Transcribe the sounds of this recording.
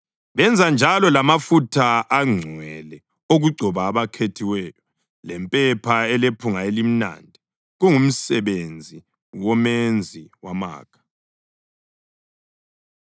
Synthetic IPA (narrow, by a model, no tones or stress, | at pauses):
βɛnd͡zʱand͡ʒʱalɔlamafutʰaːŋ͡ǀʱwɛlɛ | oɣuɡ͡ǀʱɔβaːβakʰetʰiwɛːjɔ | lɛmpʼɛpʰaɛlepʰuŋaelim̩na̰ndʱi | ɣuŋum̩sɛβend͡zʱi | wɔmend͡zʱiwama̰ːkʰḁ